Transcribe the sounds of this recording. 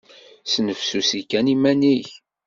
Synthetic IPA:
snəfsusikænimæniç

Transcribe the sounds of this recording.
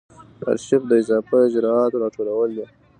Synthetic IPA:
a̰ɾʃɪfd̪əɪzɑfaɪd͡ʒɾɑɑt̪oɾɑʈʰolawəld̪e

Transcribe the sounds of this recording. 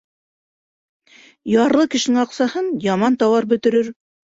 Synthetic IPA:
jɑɾlˠɤkɘ̆ʃɘ̆nɘŋɑqsɑhɤnjɑmɑnt̪ɑwɑɾbɵ̆t̪ɘ̆ɾɵɾ

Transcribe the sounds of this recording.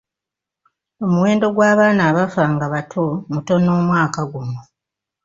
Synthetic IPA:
o̞muwe̞ːndo̞ɡwaːβaːnaːβafaːŋɡaβatʰomuto̞noːmwaːkaɡumu

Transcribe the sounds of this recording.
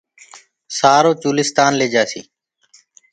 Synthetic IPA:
saːɾoːt͡ʃuːlɪst̪aːnleːd͡ʒaːsiː

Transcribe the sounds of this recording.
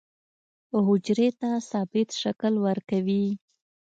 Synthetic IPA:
ɦʊd͡ʒɾet̪asɑbɪt̪ʃaklwəɾkawi

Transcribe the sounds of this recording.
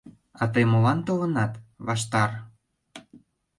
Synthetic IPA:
ɑt̪ɤjmolɑnt̪olə̆nɑt̪βɑʃt̪ɑr

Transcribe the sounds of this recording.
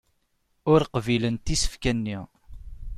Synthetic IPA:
ʊɾqvilənt̪isə̥fkænːi

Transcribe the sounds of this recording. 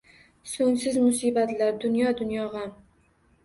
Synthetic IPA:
soŋsɪzmʊsibat̪laɾd̪ʊnjɒd̪ʊnjɒʁa

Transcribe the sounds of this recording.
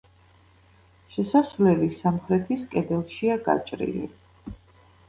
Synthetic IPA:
ʃɛsasvlɛlisamχɾɛt̪ʰiskʼɛd̪ɛlˠʃiaɡa̰t͡ʃʼɾḭlḭ

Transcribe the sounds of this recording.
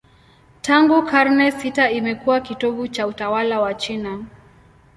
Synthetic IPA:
taŋɡukaɾnɛsitaimɛkuwakitɔɠut͡ʃautawalawat͡ʃina

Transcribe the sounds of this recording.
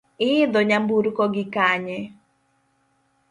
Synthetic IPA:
ɪːd̪ɔɲambuɾkɔɡɪkaɲɛ

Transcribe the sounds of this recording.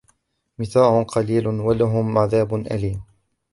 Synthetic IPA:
mɪθaːʕʊqɑliːlwalaɦʊmʕaðaːbʊnʔa̰liːm

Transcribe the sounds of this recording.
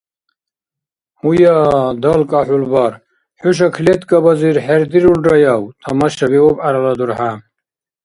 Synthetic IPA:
hujaːd̪ɐlkʼaħulbaɾ | ħuʃ̬ɐkʰlet̪kʼɐbɐziɾħeɾd̪iɾulɖɐjawt̪ʰɐmɐʃɐbiɔpaɾɐlɐd̪uɾħa

